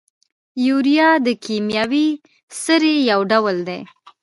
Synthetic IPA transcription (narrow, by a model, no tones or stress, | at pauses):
juɾijɑd̪əkemjɑwi | səɾejawɖawəld̪ḛ